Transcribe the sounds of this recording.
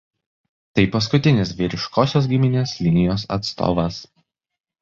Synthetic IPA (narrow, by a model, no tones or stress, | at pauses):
t̪ɐɪpɐskʊt̪ʲɪnʲɪs̬ʋʲiːɾʲɪʃkoːsʲoːsɡʲɪmʲɪnʲeːslʲɪnʲɪjoːsɐ̰t̪st̪o̰ːʋɐs